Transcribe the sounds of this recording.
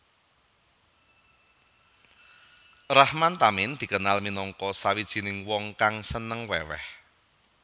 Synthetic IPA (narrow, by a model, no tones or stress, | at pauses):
rahmant̪amɪnd̪̥i̤kənalminɔŋkɔsawid̥ʒ̥i̤nɪŋwɔŋkaŋsənəŋwɛwɛ̰h